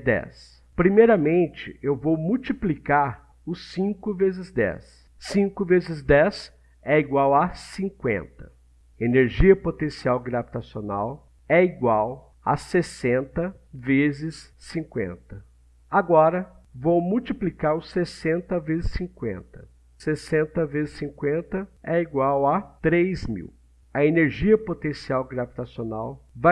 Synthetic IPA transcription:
d̪ɛ̰s | pɾimejɾɐmẽnt͡ʃɪ̰ʔewvowmuwt͡ʃiplikaɾ | ʊsĩŋkʊvezɪzd̪ɛ̰sː | ĩŋkʊvezɪzd̪ɛs | ɛiɡwawassĩŋkwḛ̃nt̪ɐ̥ | eneɾʒiɐpot̪ẽsiawɡɾavit̪asionaw | ɛiɡwaw | a̰sesẽnt̪ɐ | vezɪsːĩŋkwḛ̃nt̪ɐ | aɡɔɾɐvowmuwt͡ʃiplikaɾʊsesẽnt̪ɐvezɪsĩŋkwḛ̃nt̪ɐ | sesẽnt̪ɐvezɪsĩŋkwẽnt̪ɐɛiɡwawat̪ɾejzmḭw | ɐeneɾʒiɐpot̪ẽsiawɡɾavit̪asonawva

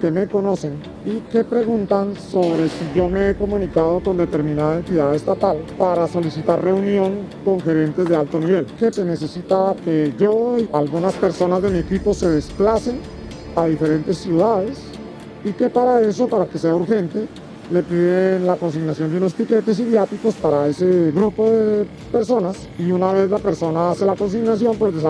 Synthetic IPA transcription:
ke̞me̞ko̞no̞se̞n | ike̞pɾe̞ɣunt̪anso̞βɾe̞siʝo̞meeko̞mũnikaðo̞ko̞nd̪e̞t̪e̞ɾmĩnaðaent̪iðaðaest̪at̪alpaɾaso̞lisit̪arre̞unjo̞ŋko̞ŋxe̞ɾe̞nt̪e̞zðealt̪o̞niβe̞lke̞se̞ne̞se̞sit̪akeʝo̞ialɣunaspe̞ɾso̞nazd̪e̞mie̞kipo̞se̞ð̞esplase̞n | aðife̞ɾe̞nt̪e̞sːjuðaðe̞s | ike̞paɾae̞so̞paɾake̞se̞auɾxe̞nt̪e̞ | le̞piðenlako̞ns̬iɣnasjond̪juno̞spike̞t̪e̞s̬iðjat̪iko̞spaɾae̞se̞ɣɾupo̞ðe | pe̞ɾso̞nas | iunaβ̞e̞zlape̞ɾso̞naase̞lako̞ns̬iɣnasjo̞mpwezd̪es

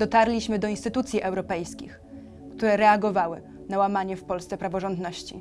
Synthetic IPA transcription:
d̪ɔt̪aɾlʲiɕmɘd̪ɔinst̪ɘt̪ut̪sʲjiʔɛwɾɔpɛjskʲḭx | kt̪uɾɛɾɛaɡɔvawɘ | nawamaɲɛfpɔlst̪sɛpɾavɔʐɔnd̪nɔɕt͡ɕḭ

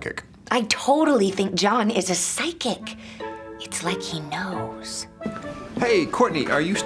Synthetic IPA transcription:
kɨ̰k | ʔaɪtʰoʊɾl̩ˠiθɪ̃ŋk̚d̥ʒ̥ɑ̃nɪzɨsaɪkɪk | ɨtslaɪkhinoʊz̥ | heɪkʰɔɹʔⁿnḭʔə˞jɨs

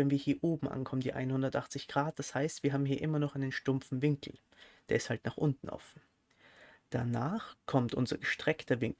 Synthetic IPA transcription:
vɛnviːɐhiːɐʔoːbm̩ʔa̰nkʰɔməndḭːʔa̰ɪnhʊndɐtʔaχt͡sɪçɡ̥ʁaːt̚d̥ashaɪstv̥iːɐɦaːbm̩hiːɐʔɪmɐnɔχʔaɪnənʃtʊmp͡fn̩vɪŋkl̩ | d̥eːɐɪsthaltnaːχʔʊntn̩ʔɔ̰fn̩ | d̥anaːχkʰɔmtʔʊ̰nzɐ̰ɡəʃtʁ̥ɛktɐvɪŋk

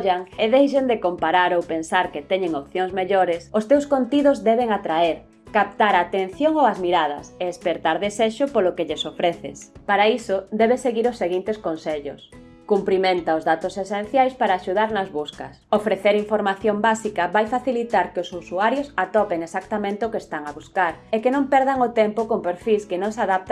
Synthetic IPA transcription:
ʎaŋeðejʃend̪ekompaɾaɾowpensaɾket̪ɛɲẽŋop̚θjoŋzmeʎoɾesʊst̪ewskont̪iðozðɛβeŋat̪ɾaeɾ | kap̚t̪aɾaːt̪en̟θjoŋowɐzmiɾað̞ɐ̰seespeɾt̪aɾðeseʃʊpolʊkeʎesofɾeθɪ̰spaɾaisʊd̪ɛβesːeɣiɾosːeɣint̪eskonseʎʊ̰s | kumpɾimẽnt̪aʊzðat̪osesẽn̟θjajspaɾaːʃuð̞aɾnɐzβuskɐ̰sofɾeθeɾiɱfoɾmaθjombasikɐβajfaθilit̪aɾkeosusuaɾjosat̪ɔpeŋesakt̪amẽnt̪eʊkest̪aŋaβuskaɾekenõmpɛɾðaŋʊt̪ɛmpokompeɾfiskenõŋsaðap̚t̪

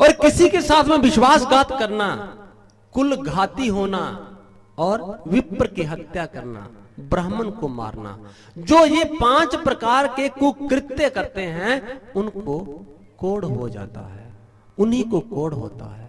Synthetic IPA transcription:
ɔːɾkɪsikesaːt̪ʰmẽʋɪʃwaːsɡaːt̪kəɾna | kʊlɡʱaːt̪iɦoːna | ɔːɾwɪpɾkiɦət̪jakəɾna̰bɾəːɦmənkoma̰ːɾna̰ | d͡ʒoːjepãːt͡ʃpɾəkaːɾkekʊkɾɪt̪ːekəɾt̪eɦɛ̃ʊnko | koːɽɦod͡ʒa̰ːt̪a̰ɦɛ̰ː | ʊnɦikokoːɽɦo̰ːt̪a̰ɦɛː

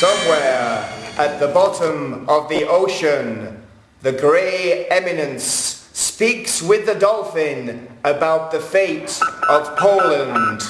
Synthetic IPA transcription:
sʌ̃mwɛɹʔɨt̪̚ðəbɑɾə̃mʌvðiʔoʊʃɨ̃n | ðɨɡɹeɪɛmɨnɨ̃nspikswɪðɨdɔlˠfɪ̃nəbaʊt̪̚ðɨfeɪɾʌv̥pʰoʊlˠə̃nd̥

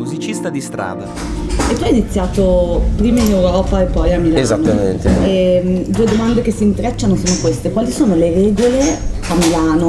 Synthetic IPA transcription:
muzit͡ʃist̪ad̪ist̪ɾa̰ːd̪a̰ | et̪ːuːajinit̪sːjaːt̪opɾiːmainewɾɔːpaepːɔjamːilaezanoːamḛnt̪eɛmd̪ued̪omand̪ek̟esːint̪ɾɛt͡ʃːanosoːnokwest̪ekwaːlisoːnolerɛːɡoleamːilaːno

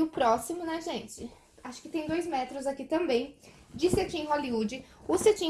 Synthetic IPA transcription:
ʊpɾɔsimʊnɐʒẽnt͡ʃɪ | aʃʊ̥kɪ̥t̪ẽj̃d̪ojzmɛt̪ɾʊzakit̪ɐ̃mbẽj̃d͡ʒisɪat͡ʃĩẽɦoliud͡ʒɪʊset͡ʃĩ

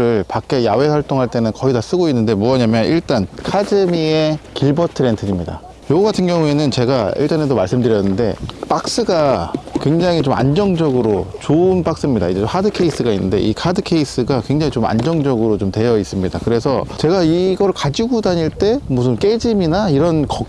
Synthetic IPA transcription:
ɯɭpak͈ejawe̞sʰʌɭt͈oŋɦaɭt͈e̞nɯnkʌidas͈ɯɡoinːɯnde̞muʌɲamjʌniɭt͈ankʰad͡ʑɯmie̞kiɭbʌtʰɯɾentʰɯɲimɲida̰ | joɡoɡatʰɯnɡjʌŋue̞nɯnt͡ɕe̞ɡaḭɭt͈ane̞domaɭs͈ɯmdɯɾjʌnːɯnde̞̰p͈ak̚s͈ɯɡakwe̞ŋd͡ʑaŋit͡ɕoma̰nd͡ʑʌŋd͡ʑʌɡɯɾot͡ɕoɯnp͈ak̚s͈ɯmɲida̰id͡ʑeomhadɯkʰe̞is͈ʰɯɡainːɯnde̞̰ʔikʰadɯkʰe̞is͈ɯɡakwe̞ŋd͡ʑaŋit͡ɕoma̰nd͡ʑʌŋd͡ʑʌɡɯɾot͡ɕomtwe̞jʌis͈ɯmɲida̰kɯɾe̞sʰʌt͡ɕe̞ɡaiɡʌɾɯɭkad͡ʑiɡudaɲiɭt͈e̞musʰɯnk͈e̞d͡ʑiminaiɾʌnkʌ

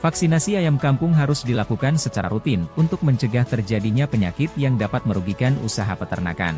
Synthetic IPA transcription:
faksinasiajamkampʊŋɦaɾʊsdilakukansət͡ʃaɾa̰ɾut̪ɪnunt̪ʊk̚məɲt͡ʃəɡaht̪ərd͡ʒadiɲapəɲakɪt̪̚jaŋdapat̪̚məɾuɡikanṵsaɦa̰pət̪ərna̰ka̰n

